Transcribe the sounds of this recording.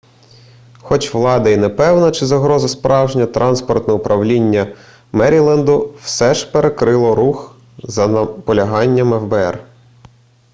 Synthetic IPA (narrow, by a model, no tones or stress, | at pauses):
xɔt͡ʃʋlˠɑd̪ɐinepɛwnɐt͡ʃɪzɐɦɾɔzɐspɾʔɑwʒnʲɐt̪ɾʔɑnspɔrt̪nɔʊpɾʔɐwlʲinʲːɐ | mɛɾʲilˠɐnd̪ʊwsɛʒpeɾekɾɪlˠɔɾux | zɐnɐpɔlʲɐɦɑnʲːɐmɛfbeɛ̰r